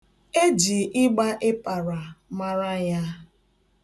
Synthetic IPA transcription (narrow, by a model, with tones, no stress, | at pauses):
e˦d͡ʒi˨ʔɪ˦ɡ͡ba˦ʔe˦pa˨ɾa˨ma˦ɾa˦ja˦